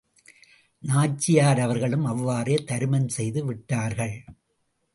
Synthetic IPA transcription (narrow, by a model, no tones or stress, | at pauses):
naːt͡ʃːɪjaːɾɐʋɐɾɣɐɭɯmɐʋːaːreːt̪ɐɾɯmɐnsɛjðɯʋɪʈːaːɾɣɐɭ